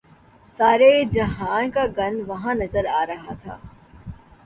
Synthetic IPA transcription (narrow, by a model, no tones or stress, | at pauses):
saːɾed͡ʒɐɦaːnkaɡɐ̃nʋɐɦãnɐzəɾaːɾɐɦat̪ʰa̰ː